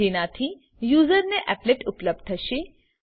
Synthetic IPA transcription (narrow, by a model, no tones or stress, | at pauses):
enat̪ʰi | juːzəɾneʔɛpleʈʊpləb̚d̪̚t̪ʰəʃe